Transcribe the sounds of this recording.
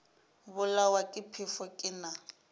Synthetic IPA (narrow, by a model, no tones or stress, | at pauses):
bʊlawakʼɪpʰɪfɔkʼɪna